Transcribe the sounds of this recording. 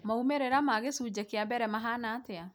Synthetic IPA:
maumeɾeɾamaɣesuːd͡ʑɛkeabɛɾɛmaɦanaːtea

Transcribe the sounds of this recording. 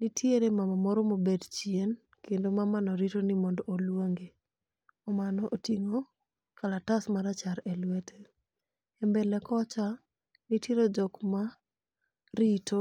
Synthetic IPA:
nitʰieɾemamamɔɾomobedt͡ʃjien | kendomamanɔɾitonɪmɔndɔːlwoŋɡe | ɔmanɔʔotiŋo | kʰalatasmaɾat͡ʃaɾɛlwɛtʰe | ɛmbɛlɛkɔt͡ʃa | niteɾod͡ʒɔkma | ɾito

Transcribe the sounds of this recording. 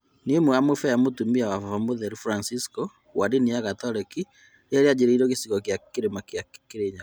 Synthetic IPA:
nemoamofɛjamotumiawaavamoðɛɾufɾansiskɔ | wadinijaɣatɔɾeki | jɛɾead͡ʑeɾeiɾɔɣesiɣɔkjakeɾemakjakeɾeɲa

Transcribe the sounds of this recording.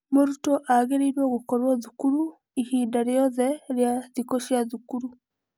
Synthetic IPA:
moɾutoʔaɣeɾiːɾwoːɣukoɾwoðukuɾu | ihiːndaɾjoðeɾjaðikoʃjaðukuɾu

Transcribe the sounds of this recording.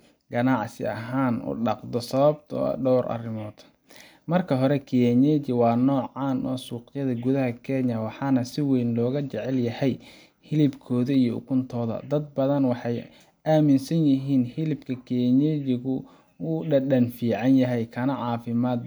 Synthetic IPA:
ɡɐnɑʕsɪ̰ɐɦaːnʊ̰ɖɑqd̪ɔsɐβɐbt̪ʰɔ̰ɖɔwɾʔɐ̰rɪmɔːd̪ | mɐrkʰɐɦɔɾɛkʰɪjɛɲɛt͡ʃɪwɑːnɔːʕɑːnɔːsuːqjɐðɐɡʊðɐɦɐkʰɛɲɐwɑħɑːnɐsɪwɛjnlɔːɣɐt͡ʃɛʕɛljɐhɛj | hɪlɪbkʰɔːðɐijɔʊ̰kʰʊnt̪ʰɔːðɐ̰d̪ɐd̪̚bɐðɐnwɑħɑj | ʔaːmɪnsɐnjɪɦiːnhɪlɪbkʰɐkʰiɛɲɛt͡ʃɪɣʊ | ʊɖɐɖɐnfiːʕɑnjɐɦɛjkʰɐnɐʕɑːfɪmaːd̪

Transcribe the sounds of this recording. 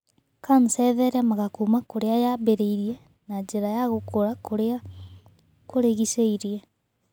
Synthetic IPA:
kansɛðɛɾamaɣakuːmakoɾeajabeɾeiɾiɛ | naɲd͡ʑeɾajaɣokoɾakoɾa | koɾeɣiseiɾiɛ

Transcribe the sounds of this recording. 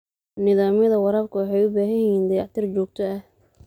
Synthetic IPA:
nɪðaːmjɐðɐwɑɾɐːbkʰʊwɑħɛjʊbaːɦɐjɪjiːnd̪ɐjaʕt̪ʰɪrt͡ʃɔːɡ̚t̪ʰɔɐh

